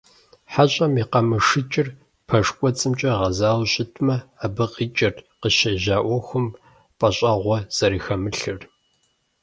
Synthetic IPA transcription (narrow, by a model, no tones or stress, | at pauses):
ħaɕʼɐmiːqɐmɨʂɨt͡ʃʼɪr | pʰɐʂkʷʼɔt͡sʼɨmt͡ʃʼɐʁɐzaːwɕʼɪtʰmɐabɨqiːt͡ʃʼɪrqəʃɐʒaːʔʷɔxʷʊm | pʼɐɕʼɐʁʷɔz̥ɐɾiːxɐmɨɬɨr